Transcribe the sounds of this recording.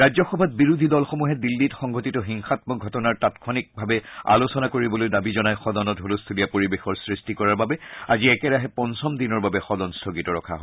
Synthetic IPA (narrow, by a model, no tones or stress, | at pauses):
ɹazɔxɔbʱat̚biɹud̪ʱidɔlxɔmuɦɛdilːitxɔŋɡʱotitɔɦiŋxatmɔɡʱɔtɔnaɹtatkʰɔnik̚bʱabɛa̰losɔnakoɹibɔlojdabizɔnajxɔdɔnɔtɦolostʰulijapoɹibexɔɹsɹistikɔɹaɹbabɛaziɛkɛɹaɦɛpɔnsɔmdinɔɹbabɛxɔdɔnstʰoɡitɔɹɔ̰kʰaɦo